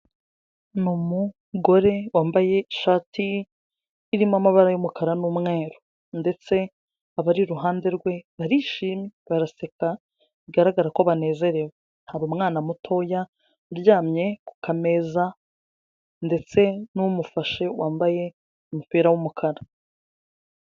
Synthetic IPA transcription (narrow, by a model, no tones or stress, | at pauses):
numu | ɡo̞ɾe̞waːmbaje̞iʃaːtʰiː | ɾimamaβaɾajumukʰaɾanumŋe̞ːɾo | nde̞t͡se̞ | aβaɾiɾuɦaːnde̞ɾɡwe̞βaɾiːʃiːmiβaɾase̞ka | βiɡaɾaɡaɾakoβane̞ːze̞ɾe̞wen̥haβumŋaːnamutʰo̞ja | ɾjaːmɲe̞ku̥kʰame̞ːza | nde̞t͡se̞numufaʃe̞waːmbaje̞ | umupiɾawumukʰaɾa